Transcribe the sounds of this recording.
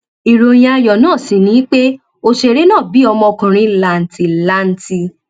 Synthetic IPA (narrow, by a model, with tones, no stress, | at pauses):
i˨ɾo˧j̃ã˧a˧jɔ˨nãː˦˨si˨nĩ˨˦k͡pe˦ | o˧ʃe˧˨ɾe˦nãː˦˨bi˨˦ɔ˧mɔ̃˧kũ˨ɾ̃ĩ˧˦la˧˨n̩˨ti˧la˦n̩˨˦ti˧